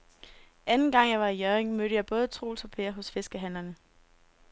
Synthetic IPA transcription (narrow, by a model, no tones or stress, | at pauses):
ʔænn̩ɡ̥ɑ̈ŋ̰jɑ̈ɪʋɑ̈ijœːeŋmøɾ̥əjɑ̈ɪb̥ɔ̽ːð̞ˠət͡sʰʁo̝̰ːlsɒ̽pʰe̝̰ːɐɦɔ̽sfe̝sɡ̥əɦæn̰lɐnə